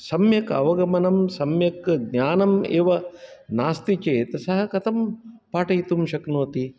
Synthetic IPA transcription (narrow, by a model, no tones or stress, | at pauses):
sɐmjɐkɐ̰ʋɐɡɐmɐnɐmsɐmjɐkɡnjaːnɐmḛːʋɐnaːst̪it͡ʃeːt̪ɐsɐɦɐkɐt̪ʰɐmpaːʈɐjt̪umʃɐknoːt̪i